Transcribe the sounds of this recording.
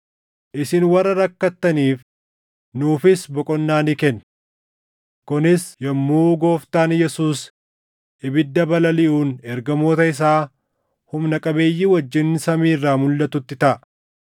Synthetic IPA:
ʔɪsɪnwɐrːɐɾɐkːɐt̪ːɐniːf | nuːfɪsbɔkʼɔnːaːnikɛn | kʊnɪsjɐmːuːɡoːft̪aːnjɛsuːs | ʔɪbɪd̪ːɐbɐlɐlɪʔuːnɛɾɡɐmoːt̪ɐɪs̬aː | hʊmnɐkʼɐbe̞ːjːiwɐd͡ʒːɪnːsɐmiːrːaːmʊlːɐt̪ʊt̪ːɪt̪ɐʔ

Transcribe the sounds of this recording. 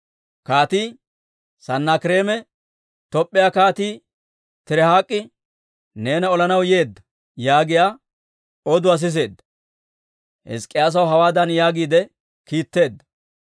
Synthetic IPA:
kaːt̪iː | sɐnːaːkɪɾe̞ːmɛ | t̪ɔpʼːɪjaːkaːt̪iː | t̪ɪɾɛhaːkʼːɪ | ne̞ːnɐɔlɐnɐwje̞ːd̪ːɐ | jaːɡɪjaː | ɔd̪ʊɐs̬ɪs̬e̞ːd̪ːɐ̥ | hɛ̰skʼːɪjaːs̬ɐwɦɐwaːd̪ɐnjaːɡiːd̪ɛ | kiːt̪ːe̞ːd̪ːɐ̥

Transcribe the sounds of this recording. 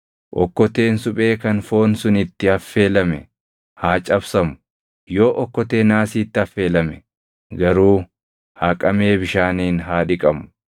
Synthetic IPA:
ʔɔ̰kːɔt̪e̞ːnsʊpʼe̞ːkɐnfo̞ːnsʊnɪt̪ːɪɐfːe̞ːlɐmɛ | haːt͡ʃʼɐbsɐmʊ | joːʔɔkːɔt̪e̞ːnaːsiːt̪ːɪɐfːe̞ːlɐmɛ | ɡɐɾuː | haːkʼɐmeːbɪʃaːniːnɦaːᶑɪkʼɐmʊ̥

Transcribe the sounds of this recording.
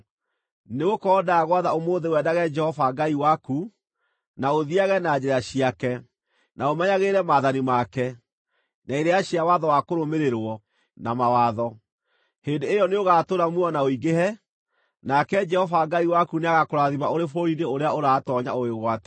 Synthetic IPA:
neɣokɔːdaːɣwaðaomoːðewɛːdaɣɛd͡ʒɛhɔvaɡaiwaku | naoðiaɣɛnad͡ʑɛɾaɕiakɛ | naomɛɲaɣeːɾɛmaðanimakɛ | naeɾeaɕiawaðɔwakoɾomeɾeɾwɔ | namawaðɔ | heːndeːjɔneoɣaːtoɾamwɔnaoiɡehɛ | nakɛd͡ʒɛhɔvaɡaiwakuneaɣakoɾaðiβaoɾefoɾineoɾeaoɾaːtɔɲa̰oeɣwatɛ̥

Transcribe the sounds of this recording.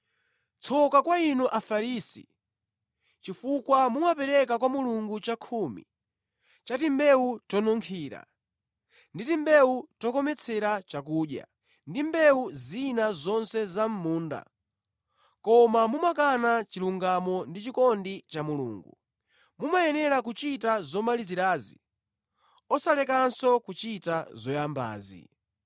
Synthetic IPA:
t͡sʰɔkakwainuʔafaɾisḭ | t͡ʃifukwamumapɛɾɛkakwamuluŋɡut͡ʃakʰuːmḭ | t͡ʃatimbɛutɔnɔŋkʰiːɾa̰ | nditimbɛutɔkɔmɛt͡sʰɛɾat͡ʃak̬uːɗja̰ | ndimbɛuzinazɔnsɛzam̩muːnda̰ | kɔmamumakanat͡ʃiluŋɡamɔndit͡ʃikɔndit͡ʃamulṵːŋɡu | mumajɛnɛɾakut͡ʃitazɔmaliziɾaːzḭ | ɔsalɛkansɔkut͡ʃitazɔjamba̰ːzḭ

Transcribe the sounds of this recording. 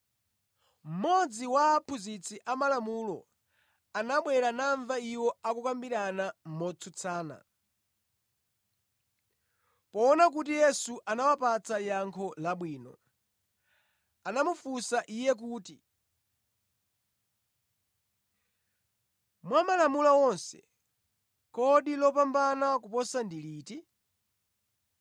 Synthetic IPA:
m̩mɔd͡ziwaːpʰuzit͡sʰiʔamalamulɔ | anaɓwɛɾanaɱvaiwɔakukambiɾanam̩mɔt͡sʰut͡sʰaːna̰ | pɔːnak̬ut̬ijɛsuʔanawapat͡sajaŋkʰɔlaɓwiːnɔ̰ | anamufusaʔijɛk̬uːti | mwamalamulawɔnsɛ̰ | kɔɗilɔpambanakupɔsandiliːti

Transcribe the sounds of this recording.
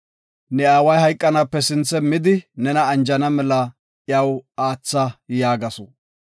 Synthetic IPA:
nɛaːwɐjɦɐjkʼːɐnapːɛsɪnt͡sːɛmɪd̪ɪnɛnɐːnd͡ʒɐnɐmɛlɐ | ʔjɐwaːt͡sːɐjaːɡɐsɔ

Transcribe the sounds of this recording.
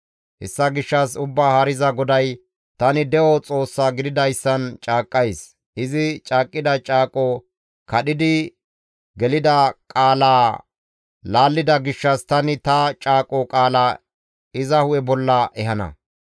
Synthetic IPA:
hɛ̰sːɐɡɪʃːɐsʊbːaːhɐɾɪzɐɡɔd̪ɐj | t̪ɐnɪd̪ɛʔɔt͡sʼo̞ːsːaːɡɪd̪ɪd̪ɐjsːɐnt͡ʃʼaːkʼːɐjs | ʔɪzɪt͡ʃʼaːkʼːɪd̪ɐt͡ʃʼaːkʼɔ | kɐɗɪd̪ɪ | ɡɛlɪd̪ɐkʼaːlaː | laːlːɪd̪ɐɡɪʃːɐst̪ɐnɪt̪ɐt͡ʃʼaːkʼɔkʼaːla | ɪzɐhʊjɛbɔlːɐʔɛhɐnɐ̰

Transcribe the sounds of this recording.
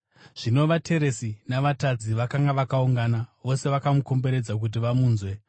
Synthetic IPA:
ʐ̥ino̞ʋatʰe̞ɾe̞sinaʋatad͡ziʋakaŋɡaʋakauŋɡanaʋo̞se̞ʋakamuko̞mbe̞ɾe̞d͡zak̬ut̬iʋamuːnzwe̞

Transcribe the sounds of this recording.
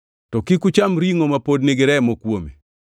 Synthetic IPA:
tɔkikut͡ʃamɾiŋomapodnɪɡɪɾɛmokwome

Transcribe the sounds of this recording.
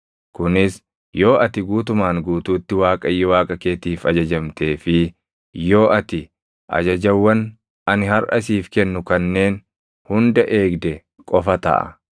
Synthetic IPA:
kʊnɪs | jo̞ːʔɐt̪ɪɡuːt̪̬ʊmaːŋɡuːt̪uːt̪ːɪwaːkʼɐjːɔwaːkʼɐke̞ːt̪iːfɐd͡ʒɐd͡ʒɐmt̪e̞ːfɪ | jo̞ːʔɐt̪ɪ | ʔɐ̰d͡ʒɐd͡ʒɐwːɐn | ɐnɪhɐɾʔɐsiːfkɛnːʊkɐnːe̞ːn | hʊnd̪ɐʔe̞ːɡd̪ɛ | kʼɔfɐt̪ɐ̰ʔɐ̰

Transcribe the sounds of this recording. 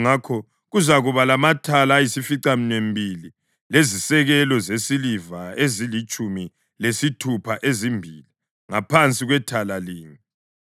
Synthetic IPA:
ŋakʰɔ | ɣuzaɣuβalamatʰalajisifiǀaminwembʱili | lezisɛɣɛlɔzesilivaezilit͡ʃʼumi | lesitʰupʰaʔezimbʱiːli | ŋapʰant͡sʼiɣwɛtʰalaliːŋi

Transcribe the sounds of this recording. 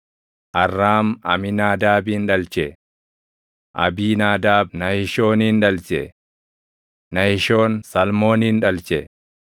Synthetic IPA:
ʔɐrːaːmɐ̰mɪnaːd̪aːbiːnᶑɐlt͡ʃɛ | ʔɐ̰biːnaːd̪aːbnɐhɪʃo̞ːniːnᶑɐlt͡ʃɛ | nɐhɪʃo̞ːnsɐlmo̞ːniːnᶑɐlt͡ʃɛ

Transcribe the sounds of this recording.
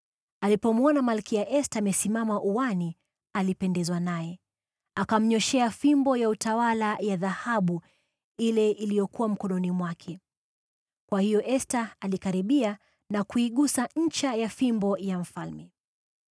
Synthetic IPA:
alipɔmuɔnamalkiaʔɛstamɛsimamaʔuwani | alipɛndɛzwanajɛ | akam̩ɲɔʃɛafimbɔjautawalajaðahaɓu | ilɛilijɔkuwam̩kɔnɔnimwakʰɛ | kwahijɔʔɛstaːlikaɾiɓia | nakuiɠusaɲ̩t͡ʃajafimbɔjaɱ̩falmɛ

